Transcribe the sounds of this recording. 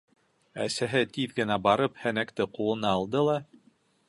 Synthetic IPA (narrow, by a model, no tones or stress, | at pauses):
æsæɦɘt̪iðɡɘ̆næbɑɾɤphænækt̪ɘqulˠɤ̆nɑːlˠd̪ɤlˠɑ